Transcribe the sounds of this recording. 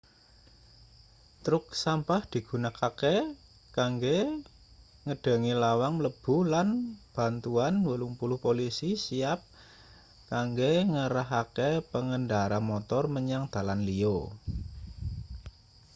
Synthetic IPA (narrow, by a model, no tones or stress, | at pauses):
t̪ɾʊk̚sampahd̪̥i̤ɡ̥ṳnakake | kaŋɡe | ŋəɖ̥ə̤ŋilawaŋləb̥ṳlanb̥a̤nt̪uanwəlʊŋpulʊhpolisisiap̚ | kaŋɡeŋəɾaɦakepəŋənɖaɾamɔt̪ɔrməɲaŋd̪̥a̤lanlio